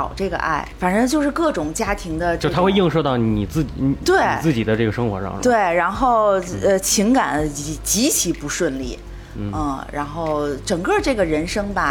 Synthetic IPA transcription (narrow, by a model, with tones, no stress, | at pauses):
ɑ̰˨˩ʊʈ͡ʂɤ˥˩ɡə̰˩ʔa̰˥˩ɪfa˨˩nʈ͡ʂɤ˥ŋt͡ɕjo˥˧ʊʂɻ̩˥˧kɤ˥˩ʈ͡ʂʊ˨˩ŋt͡ɕja˥t̪ʰi˧˥ŋd̪ə˧˥˩t̪ʰxwe˥˧ɪji˥˧ŋʂo˧t̪ɑ˥˩ʊni˨˩t͡sɹ̩˥˩t͡ɕi˨˧t̪we˥˩ɪ˨t͡sɹ̩˥˩t͡ɕi˨˩d̪ə˦ʈ͡ʂɤ˥˩ɡə˩ʂɤ˥ŋxwɔ˧˥ʂɑ̰˥˩ŋt̪we˥˩ɪɻa˧˥nxo˥˩ʊə˧t͡ɕʰi˧˥ŋka˨˩ni˧˩t͡ɕi˧˥t͡ɕʰi˧˥pu˧˥ʂwə˥˧nli˥˩˥ | ɻa˧˥nxo˥˩ʊʈ͡ʂɤ˨˩ŋkɤ˥˧ʈ͡ʂɤ˥˩ɡə˩ɻə˧˥nʂɤ˥ŋbɐ˨